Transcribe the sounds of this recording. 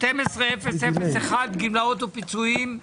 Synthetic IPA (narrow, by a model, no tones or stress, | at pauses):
t̪emesʁeefessefeseχad̪ɡimlaot̪upit͡suim